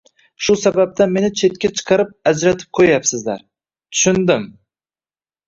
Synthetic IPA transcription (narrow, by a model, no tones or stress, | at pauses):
ʃusabap̚t̪anme̞nɪt͡ʃʰe̞t̪̚kʲat͡ʃʰɨ̥qʰɑɾɪp̚ad͡ʒɾat̪ʰɪ̥p̚qʰojapsɪzd̪a̰ɾ | t̪ʰʊ̥ʃɪnd̪ɪm